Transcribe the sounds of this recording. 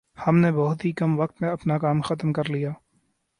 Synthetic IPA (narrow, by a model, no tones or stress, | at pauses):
hɐmnebɔɦʊt̪ɦikɐmʋɐk̚t̪mẽɐpnakaːmxɐt̪mkɐɾlijaː